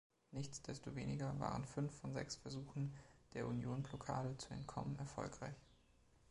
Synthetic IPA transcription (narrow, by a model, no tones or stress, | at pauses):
nɪçt͡sd̥ɛstoveːnɪɡɐva̰ːʁ̞ənfʏnfːɔnzɛ̰ksfɛɐzuːxn̩d̥eːɐʔunjoːnblokʰa̰ːdət͡suɛ̰ntkʰɔmənɛɐfɔ̰lkʁ̥aɪç